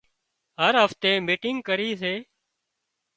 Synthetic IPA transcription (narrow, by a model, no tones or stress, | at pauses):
ɦəɾɦəft̪eːmiːʈɪŋɡkəɾiːseː